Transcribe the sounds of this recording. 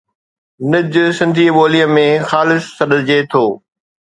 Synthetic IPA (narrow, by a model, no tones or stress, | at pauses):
nɪd͡ʑsɪ̃nd̪ʱiɓoːlijə̃mẽxaːlɪsːɐɗ̪əd͡ʑeːt̪ʰoː